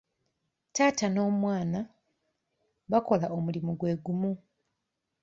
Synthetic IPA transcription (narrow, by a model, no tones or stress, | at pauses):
taːtano̞ːmwaːna | βako̞laomulimuɡwe̞ːɡumu